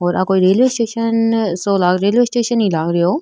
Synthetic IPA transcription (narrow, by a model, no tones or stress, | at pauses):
ɔːɾaːkoːiɾeːlʋeːsʈeːʃənsoːlaːɡɾeːlʋeːsʈeːʃənːĩːlaːɡɾɪjoː